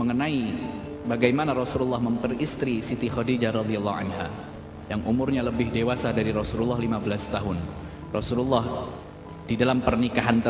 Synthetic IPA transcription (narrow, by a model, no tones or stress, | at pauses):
məŋənai | baɡajmanaɾɔsululːɑhməmpərist̪ɾisit̪ixɔdid͡ʒaɾɑd̪ialːɑa̰nha̰ | jaŋʔumʊrɲaləbɪhdewasadaɾiɾɔsululːɑhlimabəlast̪aɦʊn | rɔsululːɑh | d̥idalampərnikaɦant̪ə